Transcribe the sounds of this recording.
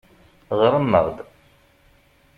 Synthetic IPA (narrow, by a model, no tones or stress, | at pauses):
ʁəɾˤənːə̰ʁd̪